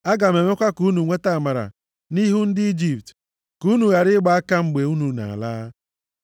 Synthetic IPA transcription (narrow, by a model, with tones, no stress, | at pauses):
a˦ɡa˨me˨me˦kʷa˦ku˦nu˨ŋʷe˦ta˦a˨ma˨ɾa̰˨ | ni˦ɦu˦n̩˦dɪ˦i˦d͡ʒi˨p̚t | ku˦nu˨ɣa˨ɾɪ˦ɡ͡ba˨a˦ka˦ŋ͡m̩˦ɡ͡be˨u˦nu˨na̰˨laː˦